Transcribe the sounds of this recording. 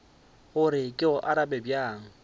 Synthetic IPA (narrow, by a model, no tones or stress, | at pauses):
ɣʊɾɪkʼɪʊʔaɾabɛbjaːŋ̩